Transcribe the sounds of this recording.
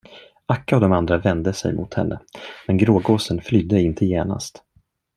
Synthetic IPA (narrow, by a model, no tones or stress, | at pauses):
akːaɔd̪ɔmand̪ɾavɛnd̪əsɛ̰jmʔʊ̰t̪hɛ̰nːə̰mɛnɡɾoːɡoːsənflʏd̪ːəɪnt̪ʰəjeːna̰st̪